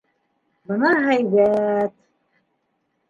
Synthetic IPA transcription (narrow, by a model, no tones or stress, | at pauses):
bɤ̆nɑɦæjbæt̪